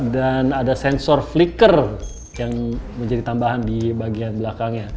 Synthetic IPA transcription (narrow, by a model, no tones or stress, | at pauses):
danadasɛnsɔrflikər | jaŋməɲd͡ʒadit̪ambaɦandibaɡianbəlakaŋɲa